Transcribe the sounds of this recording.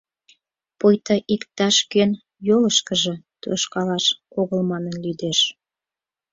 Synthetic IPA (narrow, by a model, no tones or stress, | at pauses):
pojt̪ɑʔikt̪ɑʃkøn | joləʃkə̆ʒə̆t̪øʃkɑlɑʃkoɣəlmɑnənlyd̪eʃ